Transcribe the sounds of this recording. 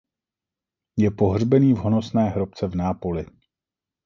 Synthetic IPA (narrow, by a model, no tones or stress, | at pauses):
jɛpo̞ɦr̝bɛniːvɦo̞no̞snɛːɦɾo̞p̚t͡sɛvnaːpo̞lɪ